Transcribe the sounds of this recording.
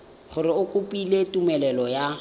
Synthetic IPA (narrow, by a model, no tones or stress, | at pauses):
χʊɾɪʊkʼʊpʼiletumɛlɛlɔja